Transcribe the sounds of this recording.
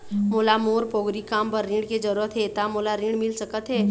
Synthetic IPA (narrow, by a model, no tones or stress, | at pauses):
moːlamoːɾpoːɡɾikaːmpəɾːɪ̃ːɖked͡ʒəɾuɾət̪ɦɛt̪amoːlaɾɪ̃ɽmɪlsəkət̪ɦɛː